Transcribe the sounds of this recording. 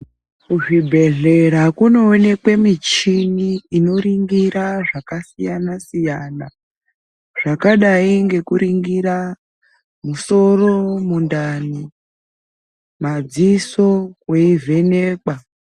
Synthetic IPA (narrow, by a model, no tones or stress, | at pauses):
kuʐibʱe̞ɮe̞ɾakuno̞ːne̞kwe̞mit͡ʃiniːno̞ɾiŋɡiɾaʐakasijanasijaːna | ʐ̥akaɗaiŋɡe̞kuɾiŋɡiɾa | muso̞ro̞mundani | mad͡ziso̞kweivʱe̞neːka